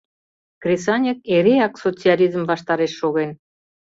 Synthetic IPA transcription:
krʲesɑnʲek̚eɾeɑksot͡sialʲizmvɑʃt̪ɑɾeʃːoɣen

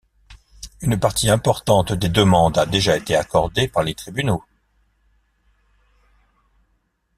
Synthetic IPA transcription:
ynpaʁt̪ʰiɛ̃pɔʁt̪ɑ̃t̪d̪ed̪əmɑ̃d̪ad̪eʒaet̪eakɔʁd̪epaʁlet̪χibyno

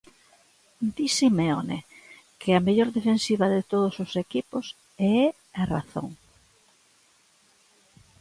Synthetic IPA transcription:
d̪isimeone | kʰɪameʎoɾðefensiβɐðɪt̪oðʊsosekipʊs | ɛɛ | ara̰θo̰ŋ

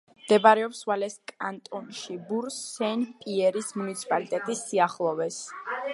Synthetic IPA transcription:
md̪̥ɛbaɾɛɔpswalɛskʼant̪ʼɔnʃibuɾsːɛnpʼiɛɾismunit̪sʰi̥pʼalit̪ʼɛt̪ʼisːiaχlˠɔvɛs

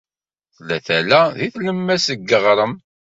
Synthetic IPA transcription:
θlæθælæðiθləmːæsəɡːəʁɾˤəm

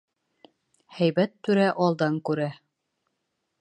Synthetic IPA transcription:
hæjbæt̪ːʉɾæʔɑlˠd̪ɑŋkʉɾæ

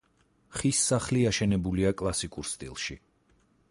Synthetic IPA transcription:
χisːaχliaʃɛnɛbuliakʼlˠasikʼuɾst̪ʼḭlˠʃi

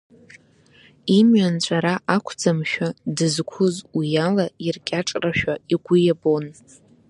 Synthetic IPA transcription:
imɥant͡ɕʷʼaɾaʔakʷʰd͡zamʃᶣadɨzkʷʰʊzwijalairkʲʼaʈ͡ʂʼraʃᶣaiɡʷʊjabo̞n

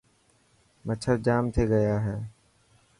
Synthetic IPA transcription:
mət͡ʃʰəɾd͡ʒaːmt̪ʰeːɡəjaːɦɛː

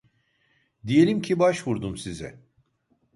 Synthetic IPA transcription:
d̪ijelʲimcʰibaʃvuɾd̪umsizɛ̰

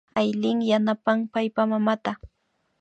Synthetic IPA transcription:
ajlɪŋjanapaŋpajpamamat̪a

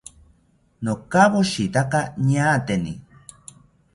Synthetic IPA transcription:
nokaβoʃit̪akaɲaːt̪enḭ

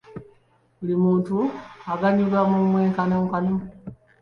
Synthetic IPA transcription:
βulimuːntuaɡaɲuɡamumweːŋkanoŋkano

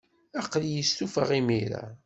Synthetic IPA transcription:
æqljəst̪ufəʁimiɾa̰

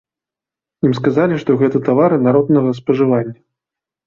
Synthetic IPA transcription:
imskazalʲiʂt̪ɔɣɛt̪ɐt̪avaɾɨnaɾɔd̪nɐɣɐspɐʐɨvanʲːɐ

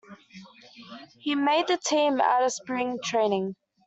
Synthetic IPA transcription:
himeɪd̪̚ðətʰĩːma̰ɾəspɹɪ̃ŋtʰɹ̥ẽɪ̃nɪ̃ŋ

